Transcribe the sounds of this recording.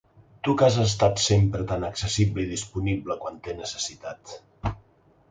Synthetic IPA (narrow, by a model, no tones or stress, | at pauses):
t̪ukazəs̬t̪at̪sempɾət̪anəksəsibləiðispunibləkwant̪enəsə̥sit̪at̪